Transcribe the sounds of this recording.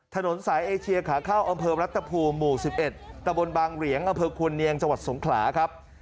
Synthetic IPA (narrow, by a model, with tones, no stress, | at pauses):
t̪ʰa˧no˩˦nsaː˩˦jʔeː˧t͡ɕʰi˧ɐkʰaː˩˦kʰaː˥˩wʔa˧mpʰɤː˧ɾa˦˥t̪ʰːa˧pʰuː˧nːuː˨˩si˨˩p̚ʔe˨˩t̪̚ːa˧mbo˧nbaː˧ŋɾi˩˦əŋʔa˧mpʰɤː˧kʰu˧nːi˧əŋt͡ɕa˧ŋwa˨˩t̪̚so˩˦ŋkʰlaː˩˦kʰa˦˥p̚